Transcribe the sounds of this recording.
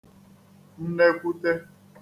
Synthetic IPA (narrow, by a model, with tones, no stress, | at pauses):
n̩˦ne˦kʷu˦te˦